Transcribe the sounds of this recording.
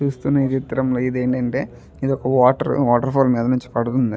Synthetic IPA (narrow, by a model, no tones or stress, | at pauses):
t͡ʃuːst̪unːɐit̪it̪ːɐɾɐmloːid̪e̞ːɳʈɐɳʈe̞ː | id̪ɔkɐʋaːʈɐɾʋaːʈɐɾpʰoːlmiːd̪ɐnuɲt͡ʃi̥pɐɽut̪und̪i